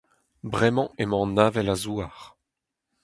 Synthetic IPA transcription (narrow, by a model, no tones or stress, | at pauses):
bʁɛmɑ̃emɑ̃naːvɛlazuaʁ